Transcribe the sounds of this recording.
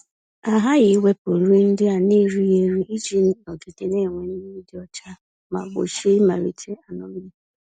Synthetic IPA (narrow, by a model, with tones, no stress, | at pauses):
a˨ɦa˦ɣɪ˨we˦po˨ɾu˦n̩˦dɪ˦a˨ni˦˨ɾi˦je˨ɾi˦ʔi˦d͡ʒi˦n̩˦no˨ɡe˨de˨ne˦˨ŋʷe˨n̩˦i˦dɪ˦ɔ˦t͡ʃa˦ | ma̰˨ɡ͡bo̰˨ʃe˦i˦ma˨ɾḭ˨t͡ʃe˦a˨nɔ˨m˦